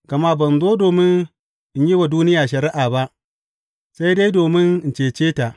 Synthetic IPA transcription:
ka˨ma˦bɐ˨nzoː˦doː˨mɪ˦n | ʔɪ˦ɲji˦wa˨duː˦nɪ˦jaː˨ʃɐ˨ɾɪ˦ʔaː˨ba˦ʔ | sa˦jde˦jdoː˨mɪ˦n˦n˨t͡ʃeː˨t͡ʃeː˦ta˨ʔ

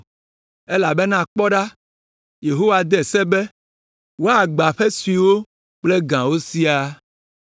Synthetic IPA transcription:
e˦la˨be˦nã˦˨k͡pɔ˦ɖa˦ | je˨ɦo˦wa˨d̪ɛ˨sɛ˦bɛ˦ | wo˦a˨ɡ͡ba˨ɸe˦su˨i˨wo˦ | k͡ple˦ɡã˨wo˦si˦a˦

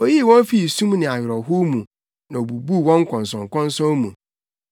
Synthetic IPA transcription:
o˦ji˦˨wɔ̃˦nfi˦˨sũ˦mnɪ̃˨a˨jɾɔ˨ɦʊ˦mũ˨ | nã˨o˨bu˨bu˦˨wɔ̃˦ŋ˦kʷʰɔ̃˨n˨sɔ̃˨ŋ̩˨kʰɔ̃˦n˦sɔ̃˦mũ˨

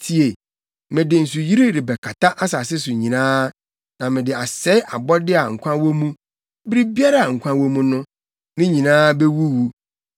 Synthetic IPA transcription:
tʰi˨e˨ | mɪ̃˨dɪ˨n̩˨su˨ji˦ɾi˦ɾɪ˨bɛ˨kʰa˨tʰa˦ʔa˦sa˨sɪ˦s̬ʊ˨ɲĩ˨nãː˦ | nã˨mɪ̃˨dɪ˨a˨sɛ˦ɪ˦ʔa˨bɔ˦dɪ˦a˨ŋ̩˨kʷʰã˦wo˦mũ˦ | bɾi˦bi˦a˦ɾa˨a˨ŋ̩˨kʷʰã˦wo˦mũ˦nʊ̃˦ | nɪ̃˦ɲĩ˨nãː˦be˦wu˦wu˦

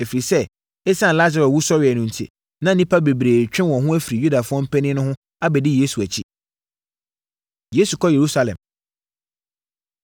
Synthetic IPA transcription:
æ˨fi˨ɾi˨sɛ˦ | ɛ˦sã˦˨la˦za˨ɾɛ˨wu˦sɔ˦ɾɪ˨ɛ˨nʊ̃˨n̩˨tʰḭ˨ | nã˦nĩ˦pʰa˦be˨bɾeː˨t͡ɕᶣɪ̃˦wɔ̃˨ɦʊ̃˦æ˦fi˨ɾi˨ju˦da˨fʊ˦ɔ̃˦m̩˦pʰɛ˦nɪ̃˦nʊ̃˦ɦʊ̃˦ | a˦bɛ˨dɪ˦je˦su˨æ˨t͡ɕʰi˦ | je˦su˨kʰɔ˦je˨ɾu˦sa˦lɛ̰̃˨m

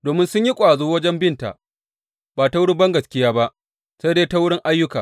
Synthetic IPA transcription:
doː˨mɪ˦nsʊ˦ɲji˦kʷʼaː˨zuː˦wɐ˦d͡ʒɛ˦mbɪ˦nta̰˨ | baː˨ta˦wʊ˦ɽu˦bɐ˦ŋɡɐ˨skʲɪ˦jaː˦ba˦ʔ | se˦deː˦ta˦wʊ˦ɽɪ˦ŋʔa˦jːʊ˦kaː˨

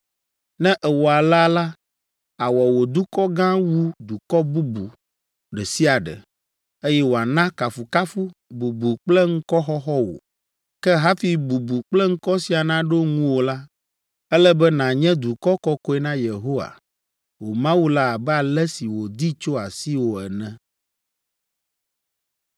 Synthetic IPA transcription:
nɛ̃˦ʔɛ˨wo˨a˨la˦la˦ | a˨wɔ˨wo˨d̪u˦kɔ˦ɡã˦wu˦d̪u˨kɔ˦bu˦bu˨ | ɖɛ˨si˦a˨ɖɛ̰˨ | e˦jɛ˦wo˨a˨nã˦ka˨fu˨ka˦fu˦bu˨bu˨k͡plɛ˦ŋ̩˦kɔ˦xɔ˦xɔ˦wo̰˨ | kɛ˦ɦa˦fi˦bu˨bu˨k͡plɛ˦ŋ̩˦kɔ˦si˨a˨nã˦ɖo˦ŋũ˦wo˨la˦ | ɛ˦lɛ˦bɛ˦nã˨ɲɛ̃˦d̪u˨kɔ˦kɔ˦kɔ˦ɛ˦nã˦je˨ɦo˦wa̰˨ | wo˨mã˦wu˦la˦a˨bɛ˦a˨lɛ˦si˨wo˨d̪i˦t͡ʃo˦a˨si˦wo˨ɛ̰˨nɛ̃˦

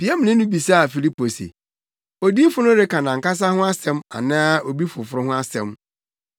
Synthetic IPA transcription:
pi˨˦a˦m̃˨nɪ̃˦nʊ̃˦bi˨sa˦a˨fi˨li˦po˨sḛ˨ | o˨di˦fʊ˦nʊ̃˦ɾɪ˦kʰa˨nã˨ŋ̩˨ka˦s̬a˦hʊ̃˦a˦sɛ̃˦ma̰˨nãː˦o˨bi˦fʊ˨fʊ˦ɾʊ˦ɦʊ̃˦a˦sɛ̃˦m

